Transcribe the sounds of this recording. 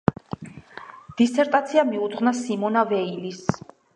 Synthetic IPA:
d̪̥isɛɾt̪ʼat̪sʰiamiud̪ʁvnasimɔnavɛilis

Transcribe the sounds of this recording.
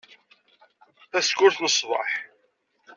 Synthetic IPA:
θæskʊɾθnəsˤvˤɑ̰ħ

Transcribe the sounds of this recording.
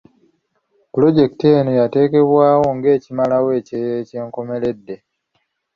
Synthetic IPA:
pulo̞ɟe̞ki̥tenojate̞ːke̞βwaːwo̞ŋɡe̞ːcimalawe̞ːcejeːce̞ːŋko̞me̞le̞dːe̞

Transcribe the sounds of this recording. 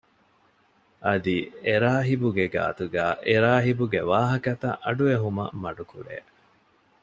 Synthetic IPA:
ʔɐd̪ieɾaːɦibuɡeɡa̰ːt̪uɡæːʔeɾaːɦibuɡeʋaːɦɐkɐt̪ɐ̰ʔɐɖueɦumɐ̰mɐɖukuɾḛː

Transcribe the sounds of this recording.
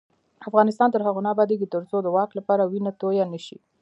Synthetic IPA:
afɣɑnɪst̪ɑnt̪əɾɦaɣonɑbɑd̪eɡit̪əɾt͡sod̪əwɑklapɑɾawinat̪ojanəʃi

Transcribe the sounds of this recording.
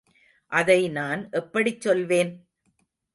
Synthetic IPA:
ʔɐðɐɪnaːnʔɛpːɐɽɪt͡ʃːɔlʋeːn

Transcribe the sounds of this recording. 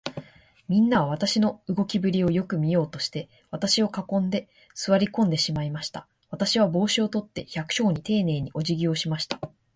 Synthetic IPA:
mʲĩnːaβaβ̞at̪aɕino̞ɯ̟ɡo̞kʲibɯ̟ɾʲio̞jo̞kɯ̟mʲijo̞ːt̪o̞ɕi̥t̪e̞ | β̞at̪aɕio̞kakõ̞nd̪e̞ | sɨβaɾʲikõ̞nd̪e̞ɕimaimaɕi̥t̪a | β̞at̪aɕiβ̞abo̞ːɕio̞t̪o̞t̪ːe̞çakɯ̟̥ɕo̞ːɲ̟it̪e̞ːne̞ːɲ̟iʔo̞ʑiɡʲio̞ːɕimaɕi̥t̪ḁ

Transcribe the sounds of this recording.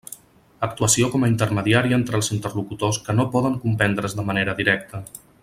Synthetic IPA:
ək̚t̪uəsiokɔməint̪əɾməðiaɾiəent̪ɾəlˠzint̪ərlukut̪oskənopɔðəŋkumpɛnd̪ɾəzðəməneɾəðiɾɛkt̪ə

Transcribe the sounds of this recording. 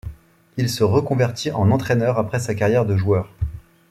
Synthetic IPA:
ilsəʁəkɔ̃vɛʁt̪ʰiʔɑ̃nɑ̃t̪χɛnœʁapχɛsakaʁjɛʁd̪əʒuœːʁ

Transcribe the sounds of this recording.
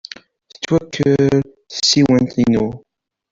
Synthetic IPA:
θə̥t͡sːwækʰːəɾ | θəsːiwənt̪inu

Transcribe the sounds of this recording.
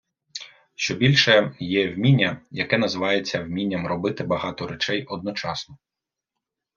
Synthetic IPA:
ʃt͡ʃɔbʲilʲʃɛjɛwmʲinʲːɐjɐkɛnɐzɪʋɑjet͡sʲːɐwmʲinʲːɐmɾɔbɪt̪ɪbɐɦɑt̪ɔɾet͡ʃɛjɔd̪nɔt͡ʃɑsnɔ

